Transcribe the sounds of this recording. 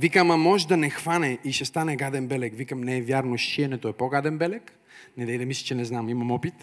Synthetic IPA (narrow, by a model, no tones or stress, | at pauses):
vikəmamɔʒd̪ɐnɛxvanɛiʃɛst̪anɛɡad̪ɛnbɛlɛkvikəmnɛɛvʲjaɾnoʃʃʃiɛnɛt̪oɛpoɡad̪ɛnbɛlɛk | nɛd̪ɛid̪ɛmislʲit͡ʃɛnɛznamimɐmɔpit̪